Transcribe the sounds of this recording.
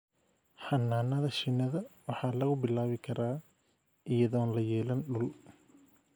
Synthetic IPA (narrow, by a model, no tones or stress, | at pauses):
ħɑnːaːnɐðɐʃɪnːɐðɐwɑħɑːlɐɣʊbɪlaːβɪkʰɐɾaː | ʔɪjɐðɔːnlɐjɛːlɐnɖʊl